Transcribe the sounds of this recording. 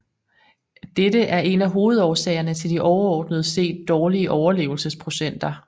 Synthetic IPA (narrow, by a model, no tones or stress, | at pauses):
d̥edəʔæɐʔe̝næɦo̝ːð̞̩ˠɒːsɛ̰ːɪɐnət͡sʰe̝ld̥iʔɒʊɐɒːd̥nəð̞̩ˠəse̝̰ːd̥ːɒːliəʔɒʊɐle̝̰ːʊl̩səspʰʁo̝ɕen̰d̥ɐ